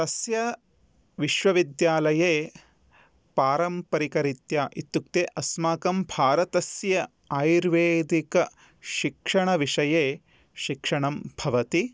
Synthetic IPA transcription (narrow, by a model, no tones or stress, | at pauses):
t̪ɐsjɐ | ʋiʃʋɐʋid̪jaːlɐjeː | paːɾɐmpɐɾikɐɾit̪jaːʔit̪juk̚t̪eːʔɐsmaːkɐmbʱaːɾɐt̪ɐsjɐ | aːjɾʋeːd̪ikɐ | ʃikʂɐɳɐʋiʂɐjeː | ʃikʂɐɳɐmbʱɐʋɐt̪i